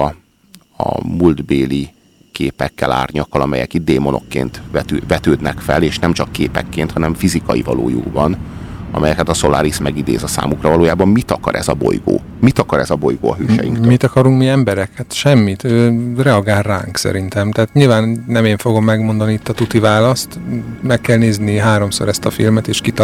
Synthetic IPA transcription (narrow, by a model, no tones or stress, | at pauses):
ɒ̰muld̪beːli | keːpɛkːɛla̰ːrɲɒkːɒlɒmɛjɛ̰kid̪̚d̪eːmo̞no̞̰kːḛːnt̪vɛt̪øvɛt̪øːd̪nɛkfɛleːʃnɛmt͡ʃɒkːeːpɛ̰kːeːnt̪hɒnɛɱfizikɒjivɒlo̰ːjuɡbɒnɒmɛjɛkɛt̪ɒso̞laːɾismɛɡid̪eːzɒsa̰ːmukrɒvɒloːjaːbɒmːit̪ɒkɒɾʔɛ̰zɒbo̰jɡo̰ː | mit̪ɒkɒɾɛzɒbojɡoːɒɦøːʃɛ̰jiŋkt̪mmit̪ɒkɒɾuŋkmiɛmbɛɾɛkhat̪ʃɛmːit̪øːrɛɒɡaːlra̰ːŋksɛ̰ɾint̪ɛmt̪aːt̪ɲilvaːnnɛmeːɱfo̞ɡo̞mːɛɡmo̞nd̪ɒniit̪ːɒt̪ut̪ivaːlɒst̪mɛkːɛlneːzniɦaːɾo̞mso̞̰ɾɛst̪ɒfḭlmɛt̪eːʃkit̪